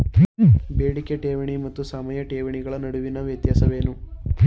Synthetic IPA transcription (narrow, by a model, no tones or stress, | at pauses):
beːɽikːeʈeːʋɐɳimɐt̪ːusɐmɐjɐʈeːʋɐɳiɡɐɭɐnɐɽuʋinɐʋjɐt̪jaːsɐʋe̞ːnu